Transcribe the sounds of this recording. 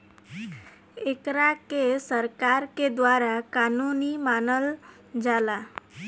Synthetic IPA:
ekɾakesəɾkaɾked̪ʋaɾakanunimanəl | d͡zala

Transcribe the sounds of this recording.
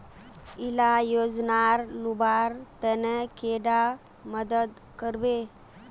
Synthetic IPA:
ilajod͡ʒnaɾlubaɾt̪ənkeɖa | məd̪əd̪ | kəɾbe

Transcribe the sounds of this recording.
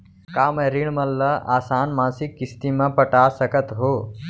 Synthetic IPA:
kaːmeɾiɳmɐlːɐʔa̰ːsaːnmãːsikːist̪imɐ̃pɐʈaːsɐkət̪ɦoː

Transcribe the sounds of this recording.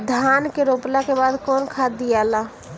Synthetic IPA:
d̪ʱaːnkeɾoplakebaːd̪kɔːnkʰaːd̪ijala

